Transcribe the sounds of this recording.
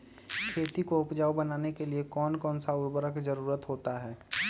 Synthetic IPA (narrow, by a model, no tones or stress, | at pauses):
kʰeːt̪ikoʊpd͡ʒaːubənaːnekeliekɔːnkɔːnsaʊɾbəɾəkd͡ʒəɾuːɾət̪ɦoːt̪aɦɛː